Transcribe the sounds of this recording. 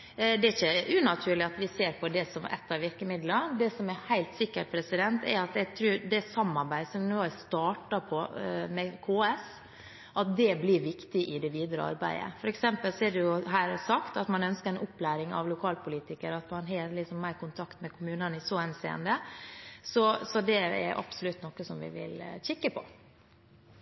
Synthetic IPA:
d̪ɛæɾɪçəʔʉnɑt̪ʰʉːɭɪɑt̪ʋɪseːɾpʰɔd̪ɛsɔmɛ̰t̪ːɑʋɪɾkəmɪd̪lɑd̪ɛsɔmɛhæɪlt̪sɪkːəʈpʰɾɛsɪd̪ɛnt̪ʰɛ̰ɾɑt̪jɛɡt̪ʰɾʉːɾd̪ɛsɑmːɑɾbæɪsɔmnoːæst̪ɑːʈɑpʰɔmɛkʰoːɛs | ʔɑt̪̚d̪ɛblɪɾʋɪkt̪ɪʔɪd̪ɛʋiːd̪ɾə̰ɑ̰ɾbæ̰ɪə̰fɔɾɛksɛmpəlsɔɛɖɛjʊɦæːɾsɑkt̪ɑt̪mɑnœnskəɾɛnʊpːlæːɾɪŋɑ̰ʋlʊkʰɑːlpʰʊliːt̪ɪkəɾɑt̪mɑnɦɑːɾlɪksɔmːæɪɾkʊnt̪ʰɑkt̪mɛkʰʊmʉːnənɪsɔɛnsḛːə̰nd̪ə | sɔsɔd̪ɛɛ̰ɾʔɑ̰psʊlʉt̪nɔkːəsɔmʋɪ̰ʋɪ̰lçɛkːəpʰɔ

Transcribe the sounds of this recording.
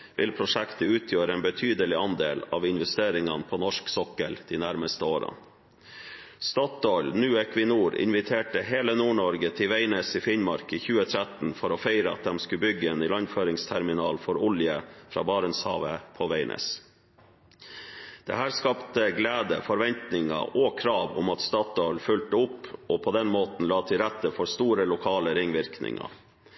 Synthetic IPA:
ʋʔɪ̰lpʰɾʊʂɛkt̪əʉːt̪ʰjøːɾəɛnbət̪ʰyːd̪əlɪɑnd̪ḛːlɑ̰ːʋɪnʋɛst̪eːɾɪŋɑnpʰɔːnɔʂksɔkəld̪̥iːnæɾməst̪əoːɾə̰n | st̪ɑt̪ɔʏlnʉːɛkʋɪnuːɾɪ̰nʋɪt̪ʰeːʈəɦeːlənuːɳɔɾɡət̪ʰɪʋæɪneːsifɪnmɑɾkiːçʉːət̪ʰɾæt̪n̩fɔɾoːfeɪɾəɑ̰t̪̚d̪ɛmskʉbʏɡːəeːnɪlɑnføːɾɪŋst̪ʰæɾmɪnɑːlfɔɾʊljəfɾɑ̰ːbɑːɾənshɑ̰ːʋəpʰɔʋeɪnʔḛːs | d̪̥ɛ̰hæːɾskɑpt̪əɡleːd̪ə̰fɔɾʋɛnt̪nɪŋɑ̰ʔɔkʰɾɑːʋʊ̰mɑt̪st̪ɑːt̪ɔʏlfʉlt̪əʊpːɔːpʰɔd̪ɛnmoːt̪n̩lɑːt̪ʰɪɾæt̪ːəfɔɾst̪uːɾəlʊkʰɑːləɾɪŋʋɪɾknɪ̰ŋɑ̰

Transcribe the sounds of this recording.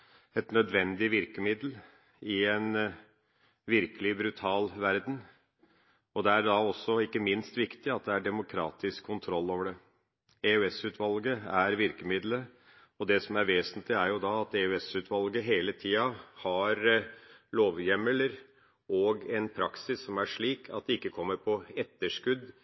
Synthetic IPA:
ɛt̪nœd̪ʋɛnd̪ɪʋɪɾkəmɪd̪l | ɪɛn | ʋɪɾkəlɪbɾʉt̪ʰɑːlʋæɾd̪n̩ | ɔd̪ɛæɾɖɑɔsːɔɪkːəmɪnst̪ʋɪkt̪ɪɑt̪̚d̪ɛæɖɛmʊkʰɾɑ̰ːt̪ɪskʰːʊnt̪ʰɾɔlːoːʋəɖɛ | ɛʉɛsʉːt̪ʰʋɑlɡəæɾʋɪɾkəmɪd̪lə | ɔd̪ɛsɔmæɾʋeːsənt̪lɪæɾjʊd̪ɑɑt̪ɛʉɛsʉːt̪ʋɑlɡəɦeːlət̪ʰiːɑhɑɾ | loːʋjɛmələɾ | ɔɡɛnpʰɾɑksɪsːɔmæʂɭiːkʰɑt̪̚d̪ɛɪkːəkʰɔmːəɾpʰɔɛt̪ːəʂkʉd̪

